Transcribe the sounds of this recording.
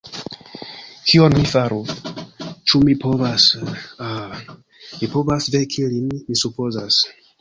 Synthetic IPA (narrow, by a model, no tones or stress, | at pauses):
kʰionmifaɾu | t͡ʃumipovasa | mipovasvekʰilinmisupozas